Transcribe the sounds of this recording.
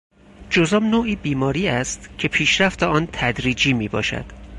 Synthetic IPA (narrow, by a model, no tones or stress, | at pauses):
d͡ʒozɒːbnoːʔiːbiːmɒːɾiːæst̪cʰe̞pʰiːʃɾæft̪eɒːnt̪ʰæd̪ɾiːd͡ʒiːmiːbɒ̰ːʃæ̰d̪̥